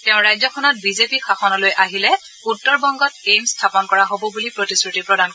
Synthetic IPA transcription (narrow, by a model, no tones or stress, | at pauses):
tɛʊ̃ɹajzɔkʰɔnɔt̚bizepixʰaxɔnɔlojʔaɦilɛ | utːɔɹbɔŋɡɔt̚ejmstʰapɔnkɔɹaɦobɔbulipɹotiskɹutipɹɔdank